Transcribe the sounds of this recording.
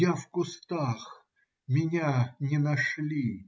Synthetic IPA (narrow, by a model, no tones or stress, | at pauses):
jafkʊst̪ax | mʲɪnʲanʲɪnɐʂlʲi